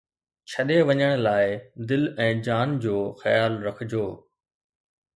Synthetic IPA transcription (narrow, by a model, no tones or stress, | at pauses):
t͡ɕʰɐɗeʋɐɲəɽ̃laːɪd̪ɪlɛ̃ːd͡ʑaːnd͡ʑoːxɐjaːlɾɐkʰɪd͡ʑoː